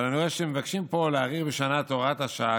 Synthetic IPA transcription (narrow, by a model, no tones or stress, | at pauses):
lanueʃemevakʃimpo̞leaʁiʁbeʃanat̪o̞ʁat̪aʃa